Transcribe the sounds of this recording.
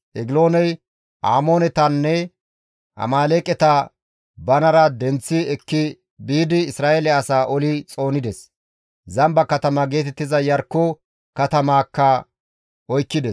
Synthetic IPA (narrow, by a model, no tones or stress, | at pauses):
ʔɛɡlo̞ːnɛj | ʔaːmo̞ːnɛt̪ɐnːɛ | ʔɐ̰maːleːkʼɛt̪ɐ | bɐnɐɾɐd̪ɛnt͡sːɪɛkːɪ | biːd̪ɪːsɾaːʔelɛɐsaːʔɔlɪt͡sʼo̞ːnɪd̪ɛs | zɐmbɐkɐt̪ɐmɐɡe̞ːt̪ɛt̪ːɪzɐjɐɾkːɔ | kɐt̪ɐmaːkːɐ | ʔɔjkːɪd̪ɛs